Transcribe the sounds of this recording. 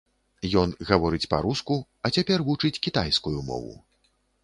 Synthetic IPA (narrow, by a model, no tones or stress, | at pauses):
jɔnɣavɔɾɨt͡sʲpɐ̰ɾusku | ɐt͡sʲapʲɛrvut͡ʂɨt͡sʲkʲit̪ajskujumɔ̰vṵ